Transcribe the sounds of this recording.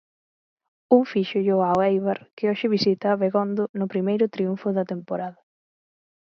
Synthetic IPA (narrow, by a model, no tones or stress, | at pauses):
uŋfiʃʊʎoawejβaɾkɪoʃɪβisit̪aːβeɣond̪ʊnʊpɾimejɾʊt̪ɾiuɱfʊðɐt̪empoɾaðɐ